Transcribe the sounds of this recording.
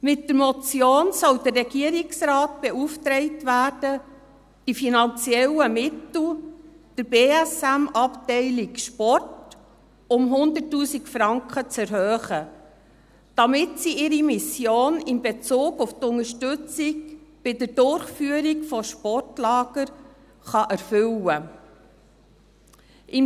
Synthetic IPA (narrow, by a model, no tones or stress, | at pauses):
mɪtdəɾmɔt͡sjoːnsɔld̪ərrɛɡ̥iəɾɪksɾɑːt̚b̥ɛuftɾɛɪtvæːrd̥ə | d̥ifinɑnt͡sjɛləmɪtl̩ | d̥əɾbeːæsæmɑptɛɪlɪkʃpɔrt | ʊmɦʊndətːuːsikfɾɑŋkχət͡sɛɾhœːχə | d̥ɑmɪtsiɪɾimɪsjoːnɪmbɛt͡suːɡʊftʊŋəʃtʏt͡sɪkb̥ɪdəd̥ʊrχfyəɾikfɔʃpɔrtlɑːɡ̥əɾ | χɑʔæɾfʏlə | ʔɪm